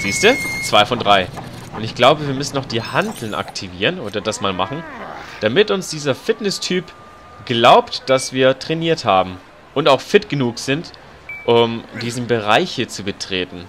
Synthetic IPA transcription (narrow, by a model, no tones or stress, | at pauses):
z̥iːstd̥uːt͡sv̥aɪfɔndʁaɪ | ʔʊntɪçɡ̥laʊbəviːɐmʏsn̩ːɔχd̥iːhandl̩nʔa̰ktʰiviːʁənoːdɐdasmaːlmaχn̩d̥amɪtʊnsd̥iːzɐfɪtnɛstʰyːp | ɡ̥laʊptd̥asv̥iːɐtʁ̥ɛniːɐthaːbm̩ | ʔʊntaʊxfɪtɡ̥ənuːkz̥ɪnt | ʔʊmdiːzn̩bəʁaɪçət͡subətʁ̥eːtn̩